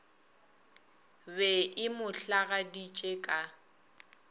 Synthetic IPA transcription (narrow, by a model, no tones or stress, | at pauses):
bɛʔɪmʊɬaɣadit͡ʃʼekʼa